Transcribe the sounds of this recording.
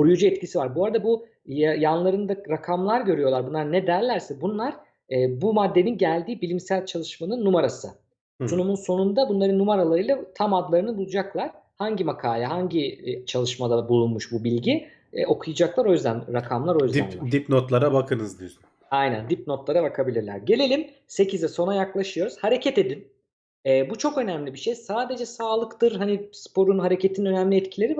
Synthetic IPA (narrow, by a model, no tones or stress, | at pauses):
oɾujud͡ʒuɛt̪cisivaɾbuaɾad̪abu | jjanlˠaɾɯnd̪aɾakʰamlˠaɾɟø̞ɾyjo̞lˠaɾbunaɾnɛd̪æɾlʲæɾsɛbunlˠaɾ̥ | ɛːbumad̪ːe̞ninɟælʲd̪iːbilʲimsælʲt͡ʃʰalˠɯʃmanɯnːumaɾasɯ | sunumunso̞nund̪abunlˠaɾɯnːumaɾalˠaɾɯjlˠat̪ʰamad̪lˠaɾɯnɯbulˠud͡ʒaklˠaɾ̥haɲɟimakʰaːlʲɛɦaɲɟit͡ʃʰalˠɯʃmad̪abulˠunmuʃbubilʲɟḭ | o̞kʰujad͡ʒaklˠaɾo̞jzd̪ænɾakʰamlˠaɾo̞jzd̪ænd̪ipnot̪lˠaɾabakʰɯnɯzd̪in | ajnæ̰nd̪ip̚no̞t̪lˠaɾabakʰabilʲiɾlʲæ̰ɾɟe̞lʲe̞lʲin | se̞cʰizɛso̞najaklˠaʃɯjo̞ɾuz̥haɾe̞cʰɛt̪e̞d̪in | ɛːbut͡ʃʰo̞kø̞næmlʲibiʃejsaːd̪e̞d͡ʒɛsaːlˠɯkt̪ɯɾɦanispo̞ɾunɦaɾe̞cʰe̞t̪ʰinø̞næmlʲiɛt̪cʰilʲe̞ɾi